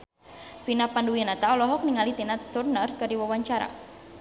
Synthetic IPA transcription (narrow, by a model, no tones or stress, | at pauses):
pinapanduianat̪aɔlɔɦɔk̚niŋalit̪inat̪urnərkɨrdiwawaɲt͡ʃaɾa̰